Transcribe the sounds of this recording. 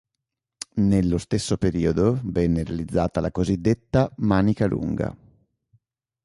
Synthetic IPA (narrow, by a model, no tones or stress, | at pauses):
nelːost̪esːopeɾiːod̪ovɛnːeɾealid̪zːaːt̪alakozid̪ːet̪ːamaːnikalṵŋɡa̰